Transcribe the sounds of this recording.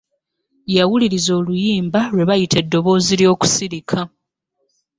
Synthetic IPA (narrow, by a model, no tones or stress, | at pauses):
jawuliɾizo̞ːlujiːmbaɾwe̞βajitʰe̞dːo̞βo̞ːziljo̞ːku̥siɾikʰa